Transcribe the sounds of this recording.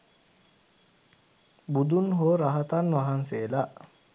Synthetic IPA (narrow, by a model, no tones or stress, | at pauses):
bud̪unɦoːɾaɦat̪anʋaɦanseːlaʔ